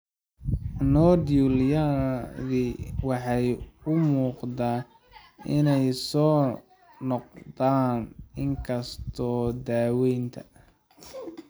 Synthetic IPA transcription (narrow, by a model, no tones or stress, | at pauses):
nɔːd̪juljaðiwɑħɑjʊmuːqd̪aː | ɪnɛjsɔː | nɔq̚d̪aːnɪŋkʰɐst̪ʰɔːd̪aːwɛjnt̪ʰɐ